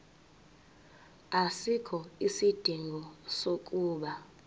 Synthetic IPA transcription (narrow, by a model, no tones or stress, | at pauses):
asikʰɔisid̥ʱiŋɡʱɔsokʼuːɓa